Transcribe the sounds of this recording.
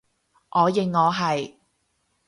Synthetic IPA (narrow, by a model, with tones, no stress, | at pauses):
ʔɔː˨˧jɪ˨ŋːɔː˨˧ɦɐ˨j